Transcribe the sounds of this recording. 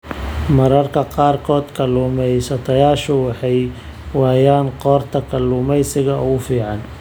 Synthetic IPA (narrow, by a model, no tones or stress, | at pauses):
mɐɾɐrkʰɐqɑːrkʰɔːd̪kʰɐluːmɛjsɐt̪ʰɐjaːʃʊwɑħɑj | wɑːjaːŋqɔːrt̪ʰɐkʰɐlːuːmɛjsɪɣɐʊ̰ɣʊfiːʕɑn